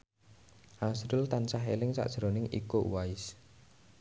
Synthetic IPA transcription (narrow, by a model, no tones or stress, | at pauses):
ʔasɾʊlt̪ansaɦelɪŋsa̰ʔd̥ʒ̥ɾonɪŋʔikowaɪs